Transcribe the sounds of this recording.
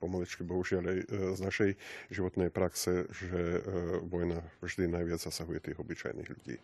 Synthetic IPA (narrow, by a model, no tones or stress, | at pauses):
pɔmalit͡ʃkibɔɦuʒɪalajznaʃɛjʒiʋɔt̪nɛjpɾaksɛʒɛʋɔjnavʒd̪inajʋɪad͡zzasaɦujɛt̪iːɣɔbit͡ʃa̰jnḭːɣʎuɟḭː